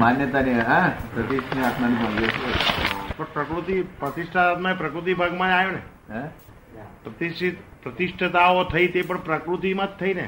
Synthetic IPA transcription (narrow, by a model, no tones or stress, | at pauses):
manjət̪aniɦãpɾət̪iʃʈʰniakʰnanibʱə̃ŋɡet͡ʃʰepəɳpɾəkɾut̪ipɾət̪ɪʃʈʰat̪mãpɾəkɾut̪̬ibʱaɡmãd͡ʒajonẽ | pɾət̪ist̪pɾət̪ɪʂʈʰət̪aot̪ʰəit̪epəɳpɾəkɾut̪imət̪ʰːəinḛ